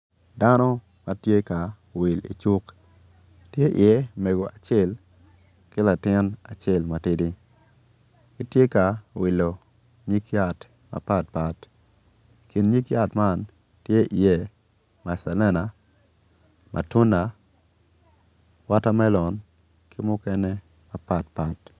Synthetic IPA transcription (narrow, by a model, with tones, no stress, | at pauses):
da˦nɔ˦ | ma˦tje˦ka˨ | wɪ˨lḭ˨t͡ʃʊ˦k | tje˦ʔɪ˨e˦me˨ɡo˨ʔa˨t͡ʃɛ˦˨l | kɪ˦la˨tɪ˦na˨t͡ʃɛ˦˨lma˨ti˦di˦ | i˦tje˦ka˨wi˨lo˨ | ɲi˦kja˦˨t | ma̰˨pa˦t̚pa˦t | ki˨nɲi˦kja˦tma˦˨n | tje˦ʔi˨je˨ | ma˨sa˨lɛ˦na˨ | mʔa̰˨tʊ˦na˨ | wa˦ta˦mɛ˦lɔ˨n | kɪ˦mʊ˦kɛ˦nɛ˦ | ma˨pa˦tpa˦t